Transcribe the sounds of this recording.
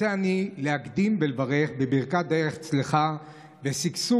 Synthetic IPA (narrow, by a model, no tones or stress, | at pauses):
eanilehakd̪imbelvaʁe̞χbebiʁkad̪e̞ʁeχt͡sliχa | vesiksu